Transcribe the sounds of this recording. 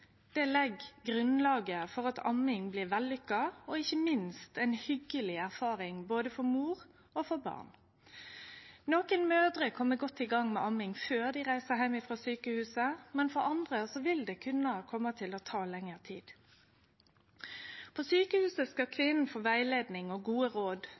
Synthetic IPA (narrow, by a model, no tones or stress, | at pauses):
d̪̥ɛlɛɡɡɾʉnlɑːɡəfɔʁɑt̪ʰɑ̰mɪŋblɪʁʋælːʏkːɑɔɪçːəmɪnst̪ɛɪnhʏɡːəlɪæʁfɑːʁɪŋboːd̪əfɔɾmuːʁ | ofɔʁbɑ̰ːʁn | noːkənmøːd̪ɾəkʰɔmːəɡɔt̪ːɪɡɑŋmɛʔɑmɪŋføːʁd̪ɪʁæɪsəɦæɪmɪfɾɑːsyːkəhʉːsəmɛnfɔɾɑnd̪ʁəsɔʋɪld̪ɛkʰʉnːəkʰɔmːət̪ʰɪlɔt̪ʰɑːlɛŋːəʁt̪ʰḭːd̪̥ | pʰoːsyːkəhʉːsəskɑkʰʋɪnn̩foːʋæɪleːd̪nɪŋɔɡuːəɾoːd̪